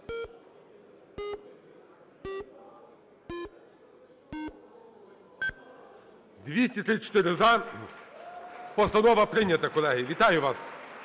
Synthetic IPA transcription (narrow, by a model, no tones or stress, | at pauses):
d̪ʋʲisʲtʲit̪ɾɪt͡ʃɔ̥t̪ɪɾɪzɑ | pɔst̪ɐnɔʋɐpɾɪnʲɐt̪ɐkɔlˠɛɦijiʋʲit̪ɑjʊʋɑs